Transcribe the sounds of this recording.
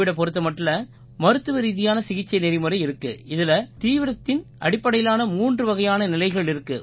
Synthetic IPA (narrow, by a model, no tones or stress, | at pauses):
ɪɽɐp̬ɔɾɯt̪̬ːɐmɐʈːɪlɐ | mɐɾɯt̪ːɯʋɐɾiːðɪjaːnɐsɪɣɪt͡ʃːɐɪnɛɾɪmɯɾɐɪɪɾɯkːɯɪðɪlɐt̪iːʋɪɾɐt̪ːɪnʔɐɽɪpːɐɽɐjɪlaːnɐmuːndrɯʋɐɣɐjaːnɐnɪlɐɪɣɐɭɪɾɯkːɯ